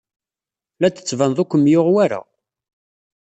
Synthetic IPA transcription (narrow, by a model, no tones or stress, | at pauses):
læt͡sːə̥t͡sːvænðˤʊkʷːəmjoʁwaɾa̰